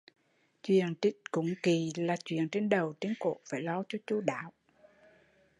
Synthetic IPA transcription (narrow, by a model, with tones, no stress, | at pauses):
t͡ɕwḭ˧˨əntï˦˥t̚kʊ̰˧˦ŋ͡mki˨˩laː˨˩t͡ɕwḭ˧˨ənt͡ɕe˧nɗə˨˩wt͡ɕe˧nko̰˧˨faː˧˩jlɔ˧t͡ɕɔ˧t͡ɕu˧ɗa̰ː˧˨˦w